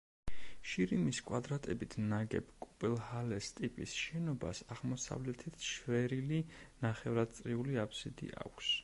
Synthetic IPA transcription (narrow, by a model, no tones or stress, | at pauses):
ʃiɾimiskʼwad̪ɾat̪ʼɛbit̪ʰnaɡɛ̰bkʼupʼɛlˠhalɛst̪ʼipʼisʃɛnɔba̰saʁmɔsa̰vlɛt̪ʰit̪ʰʃvɛɾilinaχɛvɾad̪̥̚t̪sʼɾiuliapʰsid̪ḭʔa̰kʷʰs